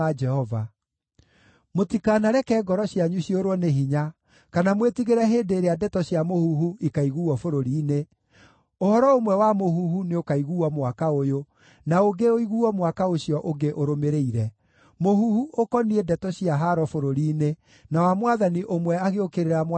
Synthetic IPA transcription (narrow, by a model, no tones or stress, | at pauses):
ad͡ʒɛhɔva | motikanaɾɛkɛːɡɔɾɔɕjaɲuɕjoɾwɔneɦiɲa | kanamwetiɣeɾɛɦeːndeːɾeadɛtɔɕjamohuɦuikaiɣuɔfoɾoɾiːne | ohɔɾɔomwɛwamohuhuneokaiɣuːɔmwakaojo | naoɡeoiɣuɔmwakaoɕijɔʔoɡeʔoɾomeɾeiɾɛ | moɦuhuʔokɔniedɛtɔɕiaɦaɾɔfoɾoɾiːne | nawamwaðaniʔomwɛaɣeokeɾeɾam